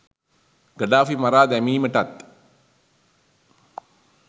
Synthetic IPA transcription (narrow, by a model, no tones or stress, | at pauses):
ɡəɖaːfimɐɾaːd̪ɛmiːməʈat̪